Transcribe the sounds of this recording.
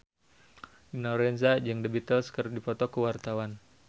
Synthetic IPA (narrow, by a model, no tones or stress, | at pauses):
dinɔɾɛns̬ad͡ʒɨŋdəbit̪əlskərdipɔt̪ɔkəwart̪awan